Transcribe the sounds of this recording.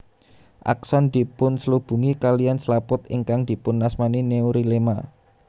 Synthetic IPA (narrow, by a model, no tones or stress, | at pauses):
ʔa̰ksɔnd̪̥i̤pʊnsəlub̥ṳŋikalijanslapʊt̪̚ɪ̰ŋkaŋd̪̥i̤pʊnːasmanineuɾilema